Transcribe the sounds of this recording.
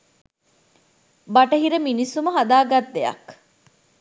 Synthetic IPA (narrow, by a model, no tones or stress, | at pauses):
bɐʈɐɦiɾəminisumɐɦɐd̪aːɡɐt̪̚d̪eɐ̰k